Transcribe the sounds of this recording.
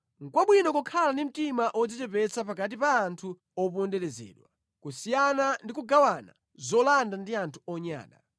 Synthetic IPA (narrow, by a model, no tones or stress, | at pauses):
ŋ̩kwaɓwinɔkɔkʰalandim̩timaʔɔd͡zitɛpɛt͡sʰap̬akat̬ipaːntʰu | ɔpɔndɛlɛzɛ̰ːɗwa | kusijanandikuɡawana̰ | zɔlandandiantʰuɔɲa̰ːna̰